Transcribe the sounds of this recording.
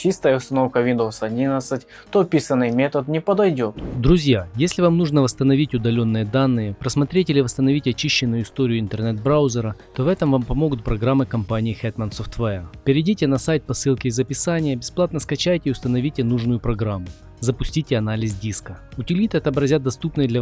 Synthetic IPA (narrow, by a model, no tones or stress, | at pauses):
t͡ɕist̪əjəʊst̪ɐnofkəvʲind̪osɐdʲinət̪sɨtʲ | t̪oɐpʲisənːɨjmʲet̪ət̪nʲɪpəd̪ɐjdʲot̪d̪ɾʊzʲjajesʲlʲɪvamnuʐnəvəst̪ənɐvʲitʲʊd̪ɐlʲonːɨjəd̪anːɨjəpɾəsmɐt̪ɾʲetʲɪilʲɪvəst̪ənɐvʲitʲɐt͡ɕiɕːɪnːʊjʊɪst̪oɾʲɪjʊɪnt̪ərnɛt̪̚bɾaʊzʲɪɾət̪o̞vɛt̪əmvampɐmo̞ɡʊt̪̚pɾɐɡɾamːɨkɐmpanʲɪjɪxɛt̪mɐnsoft̪vɛɛpʲɪɾʲɪdʲitʲɪnɐsajt̪̚ʲpɐsɨlˠkʲɪːzəpʲɪsanʲɪjəbʲɪsplˠat̪nəskɐt͡ɕæjtʲɪːʊst̪ənɐvʲitʲɪnuʐnʊjʊpɾɐɡɾamːʊ | zəpʊsʲtʲitʲɪɐnalʲɪzʲdʲiskəʊtʲɪlʲit̪ɨɐt̪əbɾɐzʲat̪̚ːɐst̪upnɨjd̪lʲɐ